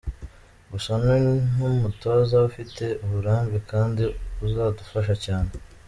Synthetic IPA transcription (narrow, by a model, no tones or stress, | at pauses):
βusonenin̥umuto̞ːzaβufitʰe̞uβuɾaːmbekaːndiuzaːdufaʃ̬acaːne̞